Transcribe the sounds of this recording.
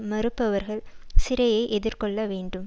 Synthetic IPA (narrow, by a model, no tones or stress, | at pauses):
mɐɾɯpːɐʋɐɾɣɐɭsɪɾɐjɐɪʔɛðɪɾkɔɭːɐʋeːɳɖɯm